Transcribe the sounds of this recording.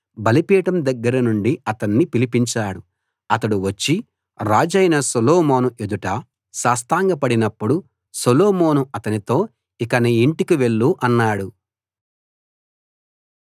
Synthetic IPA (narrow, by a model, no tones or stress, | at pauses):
bɐlipiːʈɐmd̪ɐɡːɐɾɐnuɳɖiɐt̪ɐnːipilipiɲt͡ʃaːɽu | ɐt̪ɐɽuʋɐt͡ʃːi | ɾaːd͡ʒɐjnɐsoloːmo̞ːnue̞d̪uʈɐ | saːst̪aːŋɡɐpɐɽinɐpːuɽu | soloːmo̞ːnuɐt̪ɐnit̪o̞ː | ikɐniiɳʈikiʋe̞ɭːuʔɐnːaːɽu